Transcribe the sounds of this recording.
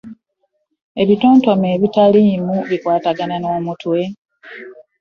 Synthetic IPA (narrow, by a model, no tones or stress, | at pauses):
e̞βito̞ːnto̞me̞ːβitaliːmuβikwaːtaɡanano̞ːmutwe̞